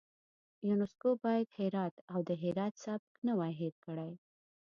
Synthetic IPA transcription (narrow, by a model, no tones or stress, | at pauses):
junʊskobɑjad̪hɪɾɑt̪awd̪əɦɪɾɑt̪sɑbknəwajɦeɾkəɽaj